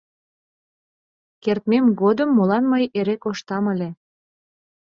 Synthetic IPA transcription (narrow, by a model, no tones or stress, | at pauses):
kert̪memɣod̪əmːolɑnməjeɾekoʃt̪ɑməlʲe